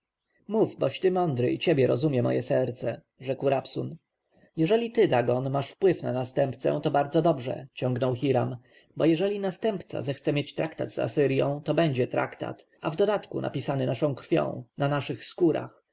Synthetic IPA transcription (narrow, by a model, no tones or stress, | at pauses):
muvbɔɕt̪ɘmɔnd̪ɾɘ̰it͡ɕebʲjɛɾɔzumʲjɛmɔ̰jɛsɛɾt̪sɛ | ʐɛkwɾapsun | jɛʐɛlʲit̪ɘd̪aɡɔnmaʂfpwɘfnanast̪ɛmpt̪sɛ̰t̪ɔbaɾd̪zɔd̪ɔbʐɛ̰t͡ɕɔ̃ŋɡnɔwxiɾam | bɔjɛʐɛlʲinast̪ɛmpt̪sa̰zɛxt̪sɛmʲjet͡ɕt̪ɾakt̪a̰d̪za̰sɘɾjɔ̃w̃t̪ɔbɛɲd͡ʑɛt̪ɾa̰kt̪a̰t̪ | avd̪ɔd̪at̪kunʔa̰pʲisanɘnaʂɔ̃w̃kɾfʲjɔ̰̃w̃nanaʂɘxskuɾʔa̰x